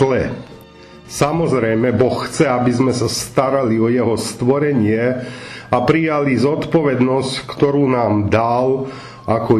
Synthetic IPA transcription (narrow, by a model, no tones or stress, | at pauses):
lɛ | samɔzɾɛjmɛbɔxxt͡sɛabizmɛsast̪aɾaliɔjɛɦɔst̪ʋɔɾɛɲɪɛ | apɾijalizɔt̪pɔʋɛd̪nɔsckt̪ɔɾuːnaːmd̪al | ʔakɔ